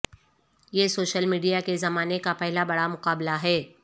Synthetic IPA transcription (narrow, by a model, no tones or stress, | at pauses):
jeːsoːʃəlmiːɖijakezɐmaːnekapɛɦlabɐɽamʊqaːblaɦɛː